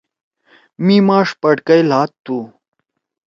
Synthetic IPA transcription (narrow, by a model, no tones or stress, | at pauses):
mimɑːʂpɐʈkɐjlɑːt̪ːu